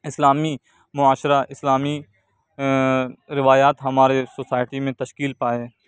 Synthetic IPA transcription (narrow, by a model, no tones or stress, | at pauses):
ɪslaːmi | mʊaːʃɾaʔɪslaːmi | ɾɪʋaːjaːt̪ɦɐmaːɾesoːsaːɪʈimẽt̪ɐʃkiːlpaːeː